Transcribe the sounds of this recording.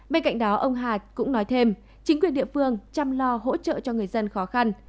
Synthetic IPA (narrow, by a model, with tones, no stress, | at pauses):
ɓe˧nka̰˧˨jŋ̟ɗɔ˨˦ʔə˧wŋ͡mɦaː˨˩t̚kʊ̰˧˥ŋ͡mnɔ˨˦jt̪ʰe˧m | t͡ɕï˨˦ŋ̟kwi˨˩ənɗi˧˨əfɨ˧əŋt͡ɕa˧mlɔ˧ɦo̰˧˥t͡ɕə̰ː˧˨t͡ɕɔ˧ŋɨ˨˩əjzə˧nxɔ˨˦xa˧n